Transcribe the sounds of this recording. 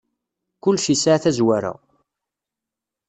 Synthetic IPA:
kʊlːʃisaʕθæzwaɾa̰

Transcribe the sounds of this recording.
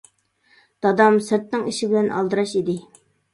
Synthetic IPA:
d̪̥ɑd̪ɑmsɪɾt̪̚nɪŋiʃibɪlɛnʔɑ̰lˠd̪ɨɾɑʃid̪ɪ

